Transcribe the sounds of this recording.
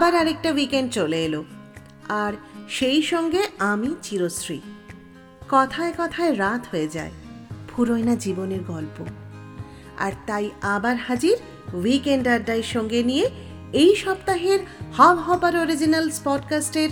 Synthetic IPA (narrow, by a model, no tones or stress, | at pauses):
abaɾaɾek̚ʈawikeɳɖ̚t͡ɕoleelo | aɾʃejʃɔŋɡeamit͡ɕiɾosɾḭ | kɔt̪ʰaekɔt̪ʰaeɾat̪ʰɦoed͡ʑa̰epʰuɾojnad͡ʑiboneɾɡɔlpo | a̰ɾt̪ajabaɾhad͡ʑiɾ | wikeɳɖaɾɖaeɾʃɔŋɡenije | ejʃɔbt̪aɦeɾhɔbɦɔbaɾoɾid͡ʑinalspɔʈkasʈeɾ